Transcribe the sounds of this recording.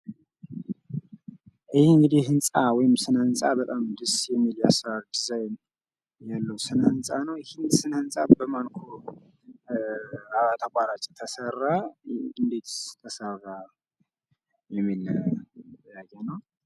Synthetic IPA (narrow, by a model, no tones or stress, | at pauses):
ʔɨhɨŋɡɨd̪iɦɨnsʼawɔjɪmsɨnəɨnsʼabət̪ʼamd̪ɨsjɛmːiljasaɾd̪ɨzajn | jalːəwsɨnəhɨnsʼanəwɪhɪnsɨnhɨnsʼabəmankʰo | aβat̪ʰakʷʼaɾat͡ʃʼt̪ʰəsərːaɨnd̪e̞t̪t̪ʰəsəβa | jɛmːil | jaɡʼɛnəw